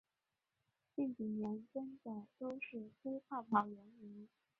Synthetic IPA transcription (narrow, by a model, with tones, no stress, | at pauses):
t͡ɕi˥˩ŋt͡ɕi˨˩njɛ˧˥nt͡sə˥nd̪ə˨˩t̪o˥ʊʂɻ̩˥˩tʰe˥ɪpʰa˥˩pʰɑ˨˩ʊɥɛ˧˥nmi˧˥n